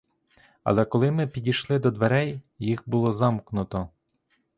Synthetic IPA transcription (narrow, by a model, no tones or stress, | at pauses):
ɐ̰lˠɛkɔlˠɪmɪpʲidʲijʃlˠɪd̪ɔd̪ʋeɾɛj | jixbʊlˠɔzɑmknʊt̪ɔ